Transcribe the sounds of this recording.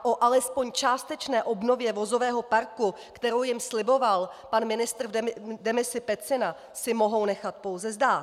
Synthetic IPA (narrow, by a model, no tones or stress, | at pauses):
ʔo̞ʔalɛspo̞ɲt͡ʃaːst̪ɛt͡ʃnɛːʔo̞bno̞vjɛvo̞zo̞vɛːɦo̞paɾku | kt̪ɛɾowjɪmslɪbo̞valpanmɪnɪst̪r̩dɛmɪsɪpɛt͡sɪna | sɪmo̞ɦo̞wnɛxat̪̚po̞wzɛzdaː